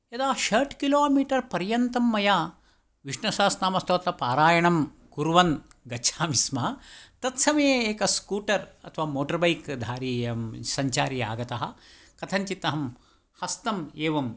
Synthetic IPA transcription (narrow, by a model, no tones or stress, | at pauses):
jɐd̪aːʃɐɾʈʰkiloːmiːʈɐɾpɐɾjɐnt̪ɐmːɐjaː | ʋiʂɳɐsaːsnaːmɐst̪oːt̪ɐpaːɾaːjɐɳɐm | kuɾʋɐnɡɐt͡ʃʰaːmismɐt̪ɐt̪sɐmɐjeeːkɐskuːʈɐɾɐ̰t̪ʰɐʋaːmoːʈɐɾbɐjkd̪ʱaːɾiːɐsɐɲt͡ʃaːɾija̰ːɡɐt̪ɐɦɐ̰ | kɐt̪ʰɐnt͡ʃit̪ːɐɦɐm | hɐst̪ɐmeːʋɐm